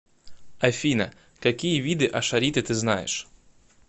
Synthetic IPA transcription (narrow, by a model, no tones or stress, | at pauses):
ɐjfʲinɐ̰ | kakʲijɛʋʲid̪ɨʔɐʃɐɾʲit̪ɨt̪ɪznɑjɛ̰ʃ